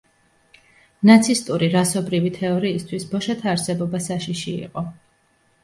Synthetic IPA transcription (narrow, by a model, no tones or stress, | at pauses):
nat̪sʰist̪ʼuɾiɾasɔbɾivit̪ʰɛɔɾiːst̪ʰwisbɔʃat̪ʰaːɾsɛbɔbasaʃiʃiḭqʼɔ